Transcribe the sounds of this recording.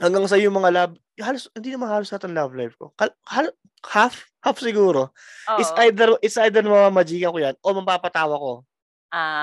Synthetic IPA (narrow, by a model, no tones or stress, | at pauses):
hɐŋɡaŋsɐɪjʊŋmɐŋalab | haːloshɪnd̪iːnɐmanhaːlosat̪ɪɐŋlavlajvko̞̰kɐhal | haf | hafsɪɡuːɾo̞ | ʔɪt̪sʔajd̪ɛɾʔɪt̪sʔajd̪ɛɾnmɐmaːmɐd͡ʒiːkɐkojanʔomɐpaːpɐt̪aːwɐko̞ | a